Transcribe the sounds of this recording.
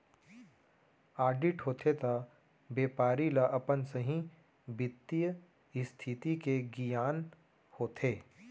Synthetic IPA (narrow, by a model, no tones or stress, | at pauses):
aːɾɖɪʈɦoːt̪ʰet̪a | beːpaːɾilaʔɐpənsəɦĩ | bɪt̪ːijə | ɪst̪ʰɪt̪ikeɡijaːn | hoːt̪ʰeː